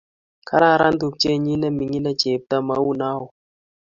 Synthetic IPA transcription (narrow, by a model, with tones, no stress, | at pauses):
ka˦ɾa˦˨ɾa˦ndu˨b̚t͡ʃe˦ɲi˦na˦mi˨ŋi˦la˦d͡ʒe˨b̚ta˦ma˨˦wu˦na˦u˨